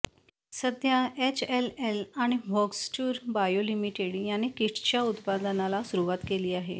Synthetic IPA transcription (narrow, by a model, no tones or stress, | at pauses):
səd̪ʱjaet͡ɕelelaɽ̃iʋɔɡsʈuːɾbajolimiʈeɽjanekiʈʰt͡ɕjaut̪pad̪ənalasuɾuʋat̪keliːaɦḛ